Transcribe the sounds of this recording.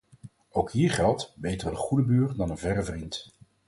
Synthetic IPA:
owkɦiːɹχɛlˠtbejtərənχudəbyːɹdɑnənvɛrəvrint

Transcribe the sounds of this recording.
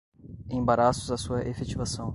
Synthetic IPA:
ẽbaɾasʊzɐsuɐʔefet͡ʃivasɐ̃w̃

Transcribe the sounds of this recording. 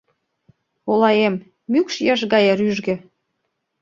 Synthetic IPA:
olɑjemː | ykʃjɑʃ̬ɡɑjeɾyʒɡĕ

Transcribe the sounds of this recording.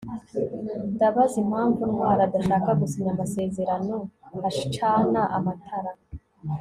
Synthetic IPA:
daβazimhaːɱvunmwaːɾadaʃaːkaɡusiɲamase̞ːze̞ɾano̞aʃi̥t͡ʃaːnaʔamatʰaɾa

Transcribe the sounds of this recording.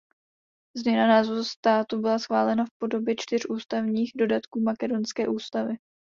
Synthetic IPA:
zmɲɛnanaːzoɾust̪aːt̪ubɪlasxvaːlɛnafpo̞do̞bjɛt͡ʃt̪ɪr̝ʔuːst̪avɲiːxdo̞dat̪kuːmakɛdo̞nskɛ̰ːʔuːst̪avɪ

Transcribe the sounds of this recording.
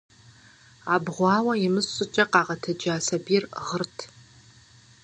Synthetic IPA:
aːbʁʷɑːwɐjimɨsɕʼɨt͡ʃʼɐqɑːʁɐtʰɐd͡ʒaːsɐbirʁərtʰ

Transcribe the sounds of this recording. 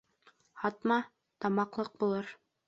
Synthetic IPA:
hɑt̪mɑ | t̪ɑmɑqlˠɤq̚bulˠɤɾ

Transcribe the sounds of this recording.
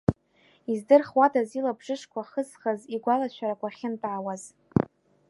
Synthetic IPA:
izdɨrχwadʰazilabʐɨʂkʷʰaχəzχaziɡʷalat͡ʃʷʰaɾakʷʰaχʲɪntʼʕawaz

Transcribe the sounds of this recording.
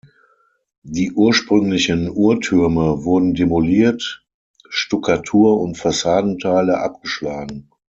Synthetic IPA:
diːʔuːɐʃpʁ̥ʏŋlɪçənuːɐtʰʏɐməvʊɐdn̩demoliːɐt | ʃtʊkʰatʰuːɐʊntfasaːdn̩tʰaɪləʔa̰p̚ɡ̥əʃlaːɡŋ̩

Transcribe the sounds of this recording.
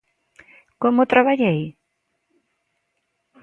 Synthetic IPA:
komʊt̪ɾaβaʎej

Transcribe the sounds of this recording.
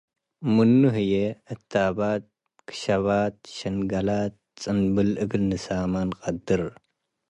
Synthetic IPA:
mɨnːuɦɨjeɨt̪ʰːabat̪̚ | kʰɨ̥ʃɐβat̪̚ʃɐnɡɐlat̪̚t͡sʼɨnbɨlʔɨɡlnɨsamanqʼɐd̪ɨɾ

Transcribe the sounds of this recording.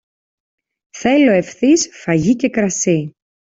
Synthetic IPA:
θe̞lo̞e̞fθisfɐʝice̞kɾɐsi

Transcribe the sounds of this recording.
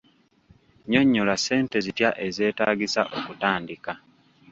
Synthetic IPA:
ɲo̞ɲːolase̞ːnte̞zitjaʔe̞ze̞ːtaːɡisa̰ʔo̞kutaːndika

